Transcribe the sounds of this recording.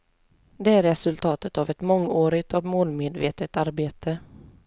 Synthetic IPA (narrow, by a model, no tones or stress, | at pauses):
d̪ɛæɾɾɛsɵlt̪ʰɑːt̪ət̪avɛt̪mɔŋːoːɾɪɡt̪ɔvmoːlmeːd̪vḛːt̪ət̪aɾbeːt̪ʰə